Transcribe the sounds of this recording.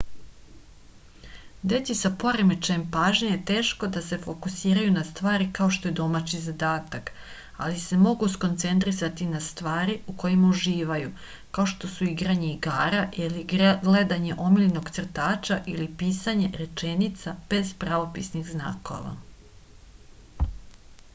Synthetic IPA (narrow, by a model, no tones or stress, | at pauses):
d̪e̞t̪isapo̞ɾemet͡ʃaempaːʒɲejet̪e̞ːʃko̞d̪ase̞fo̞kusiːɾajunast̪ʋaːɾikao̞ʃt̪o̞ed̪o̞mat͡ɕizad̪aːt̪ak | a̰lise̞mo̞ɡusko̞nt̪se̞nt̪ɾisat̪inast̪ʋaːɾiuko̞jimauʒiːʋaju | kao̞ʃt̪o̞suiɡɾaɲeiɡaːɾaʔiliɡɡle̞d̪aɲe̞ʔo̞miʎno̞ɡt̪sr̩t̪aːt͡ʃaʔilipiːsaɲe̞ɾe̞t͡ʃe̞nit̪sab̥e̞zpɾaʋo̞pḭsnixzna̰ːko̞̰ʋa̰